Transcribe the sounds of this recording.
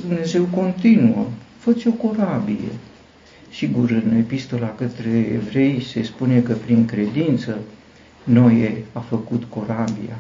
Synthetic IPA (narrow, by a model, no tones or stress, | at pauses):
d̪umne̞ze̞wko̞nt̪inuəfət͡ʃ̪sʲo̞ko̞ɾabijḛ | siɡuɾɨne̞pist̪o̞lakət̪ɾe̞̰ːvɾe̞jse̞spune̞kəpɾiŋkɾe̞d̪int̪sə | no̞jeafəkut̪ko̞ɾabija̰